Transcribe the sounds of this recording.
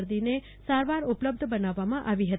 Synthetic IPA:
ɾd̪ine | saɾʋaɾʊpləb̚d̪ʱbənaʋːamãʔaʋiɦət̪

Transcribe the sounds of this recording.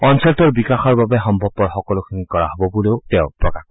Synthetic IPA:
ɔnsɔltɔɹbikaxɔɹbabɛɦɔmbʱɔpːɔɹxɔkɔlokʰinikɔɹa̰ɦobɔboleʊtɛʊpɹɔkax

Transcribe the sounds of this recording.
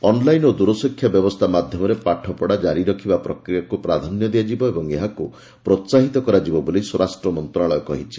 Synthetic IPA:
ɔnlajnod̪uɾɔsɔkʰːjabjɔbɔst̪ʰamad̪ʱjɔmɔɾepaʈʰɔpɔɽad͡ʒaɾiɾɔkʰibapɾɔkɾijakupɾad̪ʱanjɔd̪iad͡ʒibɔebɔŋeɦaku | pɾɔt̪saɦit̪ɔkɔɾad͡ʒibɔboliswɔɾasʈɾɔmɔnt̪ɾaɭɔjɔkɔɦit͡ʃʰi̥

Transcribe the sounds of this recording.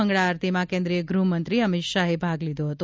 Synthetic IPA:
əŋɡɭaːɾt̪ʰimãkẽnd̪ɾijəɡɾumənt̪ɾiəmɪt̪ʃaɦebʱaɡlid̪oɦət̪o

